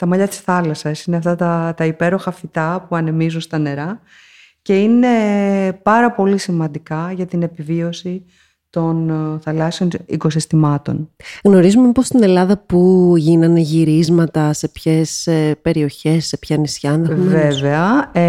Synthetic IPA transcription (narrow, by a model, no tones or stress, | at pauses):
t̪ɐmɐʎɐt̪i̥sθɐlɐsɐsineɐft̪ɐt̪ɐt̪ɐipe̞ɾo̞xɐfit̪ɐpuɐne̞mizunst̪ɐne̞ɾɐ | ce̞ine̞pɐɾɐpo̞lisimɐ̃nd̪ikɐʝɐt̪ine̞pivio̞si | t̪o̞nθɐlɐseo̞nḭko̞s̬ist̪imɐt̪o̞̰nɣno̞ɾizumeipo̞st̪ine̞lɐðɐpuʝinɐneʝiɾizmɐt̪ɐse̞pçe̞sepe̞ɾio̞çe̞sːe̞pçɐnisçɐnðɐveveɐ